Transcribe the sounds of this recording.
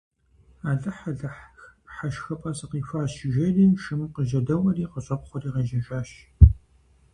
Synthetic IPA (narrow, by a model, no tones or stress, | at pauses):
aːɮɐħɐɮɐħxpħaʃxɐpʼɐsɨqiːfaːʃɪʒɐriːʃɨmɨqəʒɐdɐwɐriːqəɕʼɐp̚χʷɔriːʁɐʒɐʒʼaːʃ